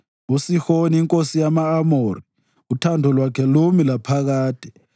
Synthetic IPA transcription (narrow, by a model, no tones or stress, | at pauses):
usixoniiŋkʼosijamaːmori | utʰandʱɔlwakʰɛlomilapʰaɣ̬aːtʰʼɛ̥